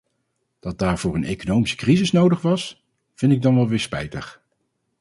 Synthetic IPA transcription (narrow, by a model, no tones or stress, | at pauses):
d̥ɑt̚daːɹv̥ʊːɹənʔejkonowmisə̥krizɪsnowdəχʋɑs | v̥ɪntɪɡ̚dɑnʋɛlˠʋɪːɹspɛ̰jtəχ